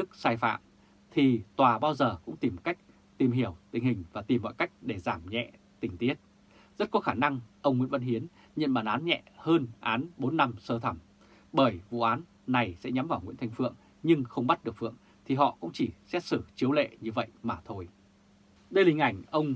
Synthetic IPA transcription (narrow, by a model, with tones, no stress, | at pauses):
ɗɨ˦˥k̚saː˧jfa̰ː˧˨m | t̪ʰi˨˩t̪waː˨˩ɓaː˧wzəː˨˩kʊ̰˧˥ŋ͡mt̪i˨˩mka˦˥jk̚ | t̪i˨˩mɦi˧˩əwt̪ï˨˩ŋ̟hï˨˩ŋ̟vaː˨˩t̪i˨˩mːɔ̰˧˨jka˦˥jk̟̚ɗe˧˩zaː˧˩mɲɛ̰˧˨ | t̪ï˨˩ŋ̟t̪i˦˥ət̚ | zə˦˥t̚kɔ˨˦xaː˧˩na˧ŋʔə˧wŋ͡mŋwḭ˧˥nvə˧nɦi˨˦ən | ɲə̰˧˨nɓaː˨˩nʔaː˨˦nɲɛ̰˧˨həː˧nʔaː˨˦nɓo˨˦nːa˧msəː˧t̪ʰə˧˩m | ɓəː˧˩jvṵ˧˨ʔaː˨˦n | na˨˩jsɛ̰˧˥ɲa˨˦mvaː˨˩wŋwḭ˧˥ənt̪ʰjŋ̟fɨ̰˧˨əŋ | ɲɨ˧ŋxə˧wŋ͡mmɓa˦˥t̚ɗɨ˨˩ək̚fɨ̰˧˨əŋ | t̪ʰi˨˩ɦɔ̰˧˨kʊ̰˧˥ŋ͡mt͡ɕi˧˩sɛ̰˧˥sɨ˧˩t͡ɕi˨˦əwlḛ˧˨ɲɨ˧və̰˧˨jmaː˨˩t̪ʰo˧j | ɗə˧jlï˧ŋ̟ʔa˧˩jŋ̟ʔə˧wŋ͡m